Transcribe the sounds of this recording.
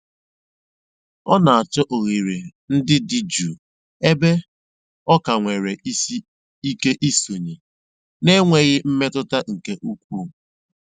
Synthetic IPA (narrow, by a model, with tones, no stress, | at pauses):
ɔ˦na˨a˨t͡ʃɔ˦ʔo˨ɣi˨ɾe˨n̩˦dɪ˦dɪ˦d͡ʒu˨ | e˦be˦ | ɔ˦ka˨ŋʷe˨ɾe˨i˦ | i˦ke˦ʔi˦so˨ɲe˨ | ne˦ŋʷe˨ɣɪ˦m̩˦me˦tʊ˦ta˦ŋ̩˨ke˦ʔu˦kʷuː˦